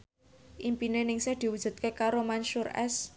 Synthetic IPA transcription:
ʔimpinenɪŋsehd̪̥i̤wud̥ʒ̥ṳt̪̚kekaɾomanʃʊrɛ̰s

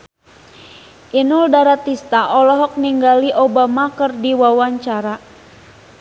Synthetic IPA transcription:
ʔinuldaɾat̪ist̪aʔɔlɔɦɔk̚niŋɡaliʔobamakɨrdiwawaɲt͡ʃaɾa

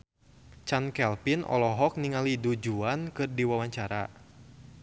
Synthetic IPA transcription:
t͡ʃankɛlpinʔɔ̰lɔɦɔk̚niŋalidud͡ʒuankɨrdiwawaɲt͡ʃaɾa̰

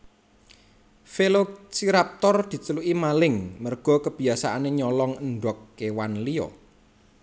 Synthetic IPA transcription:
felot͡ʃiɾap̚t̪ɔrd̪̥i̤t͡ʃəluʔimalɪŋmərɡ̥ɔ̤kəb̥i̤asaʔaneɲɔlɔŋəɳɖɔkːewanliɔ̰

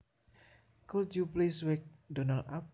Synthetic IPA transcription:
kult̪jupleswɛk̚dɔnalap̚

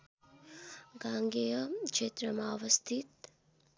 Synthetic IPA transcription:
ɡaŋɡejʌkt͡ʃet̪ɾəmaːʋəst̪ʰit̪̚

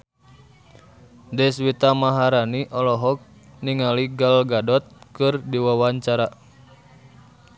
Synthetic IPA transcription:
dɛswit̪amaɦaɾaniʔɔlɔɦɔk̚ | niŋaliɡalɡadɔt̪̚kɨrdiwawaɲt͡ʃaɾa

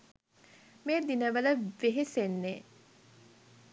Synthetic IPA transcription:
meːd̪inəʋələʋeɦesenːeː

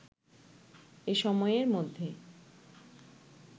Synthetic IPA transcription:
eʃɔmɔeeɾmod̪ʱːe

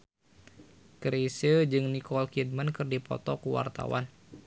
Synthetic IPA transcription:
kəɾisəd͡ʒɨŋnikɔlkid̚mənkɨrdipɔ̰t̪ɔkuwa̰rt̪a̰wa̰n

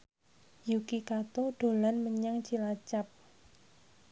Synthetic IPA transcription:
jukikat̪oɖ̥o̤lanməɲaŋt͡ʃilat͡ʃap̚

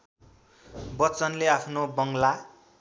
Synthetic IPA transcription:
bʌt͡sʌnleapʰnobʌŋla

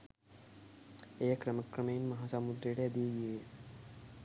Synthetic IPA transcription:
ejɐkɾɐmɐkrɐmɐjinmɐɦaːsaːmud̪ɾɐjuɽeɐd̪ijeɡije

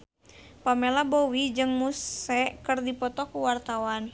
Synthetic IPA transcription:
pamelabɔwid͡ʒɨŋmusɛkərdipɔt̪ɔkuwart̪awan

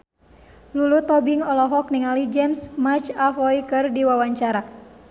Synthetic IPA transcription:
lulut̪ɔbiŋɔlɔɦɔk̚niŋalid͡ʒɛmsmat͡ʃafɔikɨrdiwawaɲt͡ʃaɾa

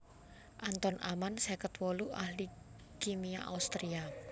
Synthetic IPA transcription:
ʔant̪ɔnʔamansɛkət̪wɔluʔahli | kimia̰ʔa̰ust̪ɾia

